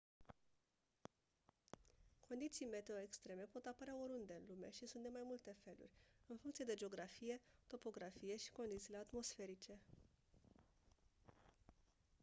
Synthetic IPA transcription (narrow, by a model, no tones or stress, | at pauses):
kʰo̞nd̪it̪sijme̞t̪eoekst̪ɾe̞me̞po̞t̪apəɾeaoɾund̪e̞ɨnlume̞ʃisunt̪d̪e̞majmult̪e̞fe̞lṵrʲɨnfuŋkt̪sie̞d̪e̞d͡ʒeo̞ɡɾafije̞t̪o̞po̞ɡɾafije̞ʃi̥ko̞nd̪it̪siːle̞at̪mo̞sfe̞ɾit͡ʃe̞